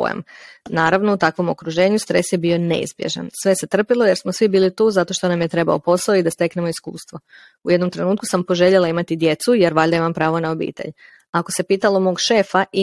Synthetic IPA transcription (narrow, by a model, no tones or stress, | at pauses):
ḛmnaːɾaʋno̞ut̪akʋo̞mo̞̰kɾuʒe̞ːɲust̪ɾe̞sjebio̞nḛḭzbjḛʒa̰nsʋe̞se̞t̪r̩pilˠoje̞ɾsmosʋibiːlit̪uːzat̪o̞ʃt̪o̞namjet̪ɾe̞ba̰o̰po̞saoid̪ast̪e̞kne̞mo̞iskṵːst̪ʋo̞ | uje̞d̪nomt̪ɾe̞nuːt̪̚ku̥sampo̞ʒe̞ʎelˠaimat̪id̪je̞t̪suje̞ɾʋaʎd̪aimampɾaːʋo̞naobḭːt̪ḛʎ | ako̞se̞piːt̪alo̞mo̞ːɡʃe̞faʔi